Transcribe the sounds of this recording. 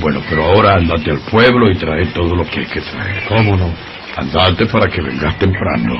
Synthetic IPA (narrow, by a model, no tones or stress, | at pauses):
bwe̞nopeɾoao̞ɾaand̪at̪ealpweβloit̪ɾaet̪o̞ðolo̞keajke̞t̪ɾaḛɾkomono | a̰nd̪at̪epaɾakeβḛŋɡast̪empɾa̰no